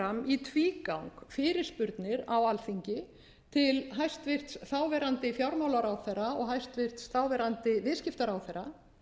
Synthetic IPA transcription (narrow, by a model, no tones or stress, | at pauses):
amit̪ʰviːkawŋkfɪːɾɪɾ̥spʏɾt̪nɪɾawalθiɲcɪ | t̪ʰɪlɦajst̪vɪr̥t̪sθaːwvɛːɾant̪ɪfjawɾmawlaɾawθɛrːaɔɣɦajst̪vɪr̥t̪sθawvɛɾant̪ɪvɪðscɪft̪aɾawθɛɾːa